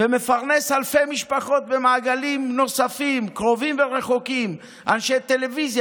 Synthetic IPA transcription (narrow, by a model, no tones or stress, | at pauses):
veme̞faʁne̞shalfe̞jmiʃpaχo̞t̪̚be̞maːɡalimno̞safimkʁo̞vimve̞ʁe̞χo̞kim | ʔanʃet̪ele̞vizj